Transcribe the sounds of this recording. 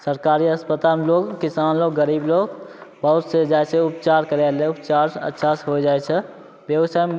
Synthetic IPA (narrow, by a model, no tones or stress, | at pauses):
səɾkaɾiəspət̪amloɡkisanloɡːəɾibloɡbəɦut̪sed͡ʒajseupt͡ʃaɾkəɾeleupt͡ʃaɾə̰tːʃʰasɦod͡ʒaɛt͡ʃʰɛ | bjəʋsajm